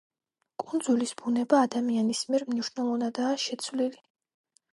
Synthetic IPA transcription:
kʼund̪zulisbunɛbaːd̪amianismiɛɾmniʃnɛlˠɔvnad̪aːʃɛt̪sʰvlili

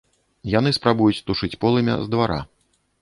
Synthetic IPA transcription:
jan̪ɨspɾabujut͡sʲt̪uʂɨt͡sʲpɔlˠɨmʲɛ̰zd̪vaɾa̰

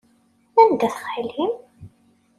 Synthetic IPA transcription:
ænd̪æθə̥χħilim

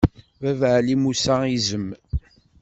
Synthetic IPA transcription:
vævʕlimusaizəm

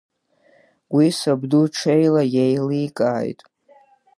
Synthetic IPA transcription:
wisabduʈ͡ʂʰejlajejlikʼaːjtʼ

